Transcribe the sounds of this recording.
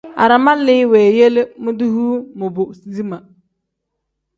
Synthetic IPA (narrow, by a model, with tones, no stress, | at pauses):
a̰˨ɾa˨ma˦lɪ˦wɛː˨je˦lmʊ˦du˦huː˦mʊ˨bʊ˨si˨zi˦ma˨